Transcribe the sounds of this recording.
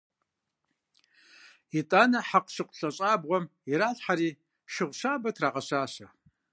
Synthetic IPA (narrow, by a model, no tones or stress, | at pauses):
itʼaːnɐħaqʷʃɨqʷɬʼɐɕʼaːbʁʷɔmiɾaːɬħaɾiː | ʃɪʁʷʃaːbɐtʰraːʁɐɕaːʃɐ